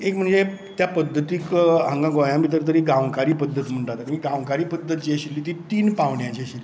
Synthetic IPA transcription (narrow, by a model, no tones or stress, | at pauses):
ekm̤əɳd͡ze | t̪japəd̪ʱːət̪iːkɦãŋɡãɡojãmbiːt̪əɾt̪əɾiːɡãʋkaɾiːpəd̪ʱːət̪m̤əɳʈat̪aɾimiɡãʋkaɾiːpəd̪ʱːət̪̚d͡ʑeɕilːiːt̪iːt̪iːnpaʋɳjãt͡ɕeɕilːi